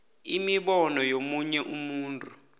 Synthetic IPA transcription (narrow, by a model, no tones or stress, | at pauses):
imiɓɔnɔjomuɲɛʔumuːntʼu